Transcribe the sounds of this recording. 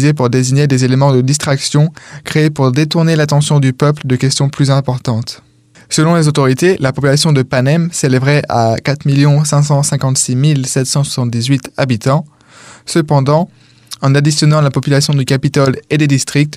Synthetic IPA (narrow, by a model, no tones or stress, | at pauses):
zepuʁd̪eziɲed̪ezelemɑ̃d̪əd̪ist̪χaksjɔ̃kχeːpuʁd̪et̪uʁnelat̪̬ɑ̃sjɔ̃d̪ypœpləd̪əkʲɛst̪jɔ̃plyzɛ̃pɔʁt̪ɑ̃t̪ | səlɔ̃lezot̪ɔʁit̪elapɔpylasjɔ̃d̪əpanɛmselevʁɛʔa̰kat̪χmiljɔ̃sɛ̃s̬ɑ̃sɛ̃kɑ̃t̪similsɛt̪sɑ̃swasɑ̃t̪̚d̪izɥit̪abit̪ɑ̃ | səpɑ̃d̪ɑ̃ | ɑ̃nad̪isjɔnɑ̃lapɔpylasjɔ̃d̪ykapit̪ɔled̪ed̪ist̪χik̚t̪